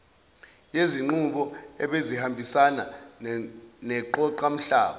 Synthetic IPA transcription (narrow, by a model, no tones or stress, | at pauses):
jeziŋ͡ǃuɓɔɛɓezihambʱisana | nɛǃɔǃam̩ɬa̰ːɓa